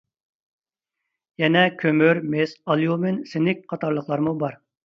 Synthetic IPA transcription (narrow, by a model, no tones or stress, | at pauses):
jɛnɛkʲʰømyɾmesɑlˠjumɪnsɪnɪk̚ʲqʰɑt̪ɑɾlˠəχlˠɑɾmubɑɾ